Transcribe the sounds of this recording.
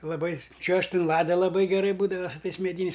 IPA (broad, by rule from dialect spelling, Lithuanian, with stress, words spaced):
lˠɐˈbɐɪ ˈt͡ʃʲuɔʃʲtʲ ɪn ˈlˠɑːdɐ lˠɐˈbɐɪ ɡʲɛˈrɐɪ ˈbuːdɐʋɐ sʊ ˈtɐɪs mʲɛˈdʲiːnʲɛɪs